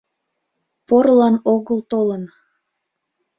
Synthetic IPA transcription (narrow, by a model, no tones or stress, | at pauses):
poɾlɑnoɣəlt̪olən